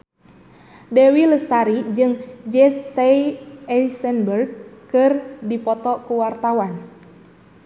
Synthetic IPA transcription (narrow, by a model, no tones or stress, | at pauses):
dɛwiləst̪aɾid͡ʒɨŋd͡ʒɛsɛiɛsɛnbərɡ̚kɨrdipɔt̪ɔkuwart̪awan